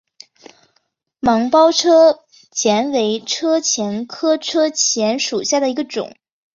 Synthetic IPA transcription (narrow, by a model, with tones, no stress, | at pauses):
mɑ˧˥ŋpɑ˥ʊʈ͡ʂʰɤ˥ | t͡ɕjɛ˧˥nwe˧˥ɪʈ͡ʂʰɤ˥t͡ɕʰjɛ˧˥nkʰɤ˥ʈ͡ʂʰɤ˥t͡ɕʰjɛ˧˥nʂu˨˩ɕja˥˩d̪ə˩i˧˥ɡə˧ʈ͡ʂʊ̰˨˩˦ŋ